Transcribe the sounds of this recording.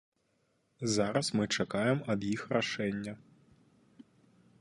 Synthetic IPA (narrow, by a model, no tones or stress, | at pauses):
zaɾɐsmɨt͡ʂakajɛmɐbjixraʂɛnʲːɐ